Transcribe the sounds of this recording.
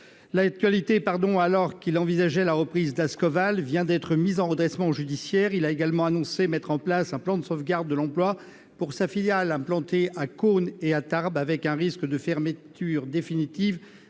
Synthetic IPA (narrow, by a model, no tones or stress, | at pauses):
lak̚t̪ɥalit̪epaʁd̪ɔ̃alɔʁkilɑ̃vizaʒɛlaʁəpχizd̪askɔvalvjɛ̃d̪ɛt̪χəmizɑ̃ʁəd̪ʁɛsmɑ̃ʒyd̪isjɛʁilaeɡalmɑ̃anɔ̃semɛt̪χɑ̃plasɛ̃plɑ̃d̪əsovɡaʁd̪ːəlɑ̃plwa | puʁsafiljalɛ̃plɑ̃t̪eʔakoneat̪aʁbavɛkɛ̃ʁiskd̪əfɛʁmət̪yʁd̪efinit̪iv